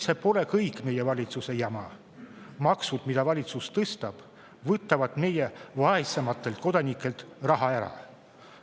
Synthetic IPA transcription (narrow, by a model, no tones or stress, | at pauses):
se̞po̞le̞kɤjkme̞je̞vɑlʲit̪suse̞jɑmɑ | mɑksud̪̥mid̪ɑvɑlʲit̪sust̪ɤst̪ɑb̥ | vɤt̪ːˑɑvɑd̪me̞jevɑesemɑt̪ːˑe̞lt̪̚ko̞d̪ɑnikːˑe̞lt̪ˑrɑɦɑeɾɑ̰